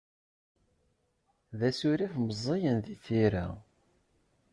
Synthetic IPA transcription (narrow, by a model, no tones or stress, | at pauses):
ðæsʊɾifməzˤːejənðiθiɾa̰